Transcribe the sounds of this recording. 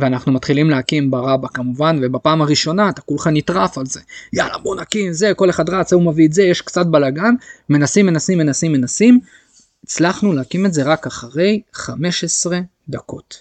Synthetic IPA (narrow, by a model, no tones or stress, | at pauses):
veanaχnumat̪χilimleakimbaʁabakamuvanve̞bapaːmaʁiʃo̞naːt̪akulχanit̪ʁafalze̞ja̰la̰bonakimze̞ko̞le̞χad̪ʁat͡saumaviːtze̞jeʃkt͡sat̚balaɡanme̞nasimːe̞nasimːe̞nasimːenasim | it͡slaχnuleakime̞tze̞ʁakaχaʁe̞jχame̞ʃesʁe̞ | dako̞̰t